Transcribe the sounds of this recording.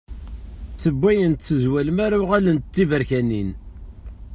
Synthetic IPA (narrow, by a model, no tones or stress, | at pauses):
t͡sːəbʷːæjənt̪θəzwælmæɾaʁælənt̪t͡s̪ːivəɾçænin